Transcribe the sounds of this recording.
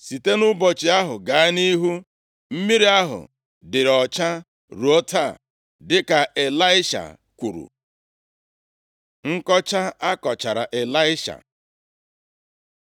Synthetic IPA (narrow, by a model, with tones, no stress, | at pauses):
si˨te˦nʊ˦bɔ˨t͡ʃɪ˨a˦ɦʊ˨ɡa˨˦ni˦ɦu˦ | m̩˦mi˦ɾi˦a˦ɦʊ̰˨ | dɪ˨ɾɔ˨t͡ʃa˦ | ɾu˨o˦tʰa˦˨ | dɪ˦ka˨e˨la˦ɪ˦ʃa̰˨ | kʷu˨ɾṵ˨ | ŋ̩˦kɔ˦t͡ʃa˦a˦kɔ˨t͡ʃa˨ɾa̰˨ʔe˨la˦ɪ˦ʃa̰˨